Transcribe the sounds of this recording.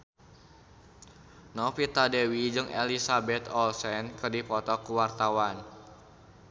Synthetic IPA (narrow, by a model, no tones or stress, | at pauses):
nɔfit̪adewid͡ʒɨŋḛlisabɛt̪ɔlsɛnkɨrdipɔt̪ɔkuwart̪awan